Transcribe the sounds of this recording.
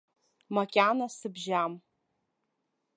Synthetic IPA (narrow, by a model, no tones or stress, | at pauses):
makʲʼanasɨbʒam